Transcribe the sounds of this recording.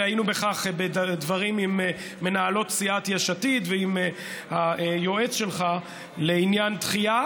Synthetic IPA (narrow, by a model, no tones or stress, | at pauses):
ajinube̞χaχbed̪vaʁimimː | e̞naalo̞tsiʔat̪jaʃatit̪veim | haejo̞e̞t͡sʃe̞lχa | leinjant̪χia